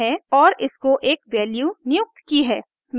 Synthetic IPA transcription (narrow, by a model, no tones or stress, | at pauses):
ɛɔːɾɪskoʔeːkʋɛːljuːnɪjʊk̚t̪kiɦɛː | m